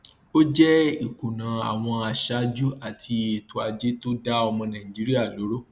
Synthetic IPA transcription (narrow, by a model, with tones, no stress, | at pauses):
o˦d͡ʒɛ˦i˨ku˨nã˨a̰˨w̃ɔ̃˧a˨ʃa˦d͡ʒu˦a˦˨tʰi˧e˨tʰu˨˦a˧d͡ʒe˦to˦da˦ɔ˧mɔ̃˧nãː˨ĩ˨d͡ʒi˨˦ɾi˦a˦˨lo˨˦ɾo˦˨